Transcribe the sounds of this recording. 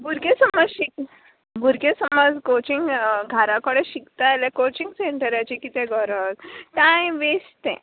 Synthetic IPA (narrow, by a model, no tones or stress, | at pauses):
bʱuɾɡẽsəmɔd͡zɕik̚ | bʱuɾɡẽsəmɔd͡zkot͡ɕiŋɡɡʱaɾãkəɽeɕikt̪aaljakot͡ɕĩŋɡseɳʈəɾat͡ɕikit̪ɛ̃ɡʱɔɾəd͡zt̪ãjʋest̪ɛ̰̃